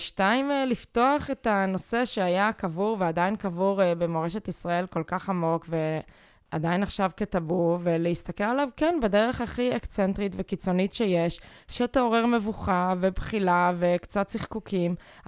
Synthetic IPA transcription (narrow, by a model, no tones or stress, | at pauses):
ʃtaimlifto̞aχetano̞se̞ʃeajakavuʁveadainkavuʁbemoʁeʃe̞tisʁae̞lko̞lkaχamo̞kve | ad̪ainaχʃavket̪abuʁveleist̪akelalavkenbedeʁe̞χaχiekt͡sentʁitvekit͡so̞nitʃejeʃʃeteoʁeʁmevuχavebχilavekt͡satsiχkukʰim